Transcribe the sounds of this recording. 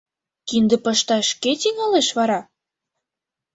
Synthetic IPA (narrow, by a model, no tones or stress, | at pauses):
kind̪ə̆pɤʃt̪ɑʃket̪iŋɑleʃβɑɾɑ